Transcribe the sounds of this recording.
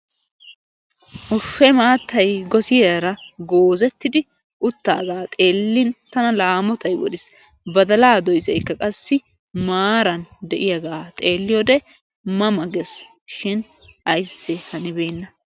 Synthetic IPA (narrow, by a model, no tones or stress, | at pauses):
ʔʊfːɛmaːt̪ːɐjɡɔsɪjɐɾɐɡoːzɛt̪ːɪd̪ɪ | ʔʊt̪ːa̰ːɡaːt̪ʼe̞ːlːɪnt̪ɐnɐlaːmɔt̪ɐjwɔ̰d̪ɪs | bɐd̪ɐlaːd̪ɔjsɛjkːɐkʼɐsːɪ | maːɾɐnd̪ɛʔɪjɐɡaːt̪ʼe̞ːlːɪjɔd̪ɛ | mɐmɐɡɛs | ʃɪn | ʔɐjsːɛhɐnɪbe̞ːnːɐ